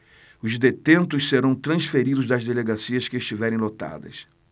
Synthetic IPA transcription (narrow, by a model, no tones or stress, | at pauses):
ʊzd̪et̪ẽnt̪ʊsseɾɐ̃w̃t̪ɾɐ̃sfeɾid̪ʊzd̪ɐzd̪eleɡasiɐskɪːʃt͡ʃivɛɾẽj̃lot̪a̰d̪ɐ̰s